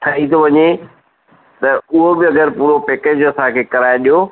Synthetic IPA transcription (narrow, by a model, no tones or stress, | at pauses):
t̪ʰɐɦit̪ʰoʋɐɲe | t̪ɐʊɦobɪɐɡəɾpuːɾopɛːkeːd͡ʑɐsãkʰeːkɐɾaːeɗijoː